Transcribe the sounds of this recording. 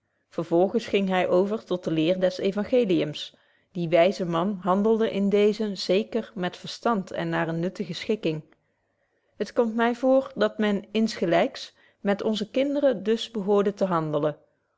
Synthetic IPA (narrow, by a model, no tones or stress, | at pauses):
v̥əɹv̥ɔlˠχəsχɪŋɦɛjʔowvəɹtɔt̚dəlɪːɹdɛsejvɑŋχejlijəms | d̥iʋɛjzəmɑnɦɑndəlˠdəʔɪndejzəz̥ejkərmɛtfəɹstɑntɛ̰nːaːɹənːɵtəχəsχɪkɪŋ | ɦətkɔmtmɛjvʊːɹdɑtmɛnɪnsχəlɛjks | mɛtɔnzəkɪndərədɵsbəɦʊːɹdətəɦɑndələ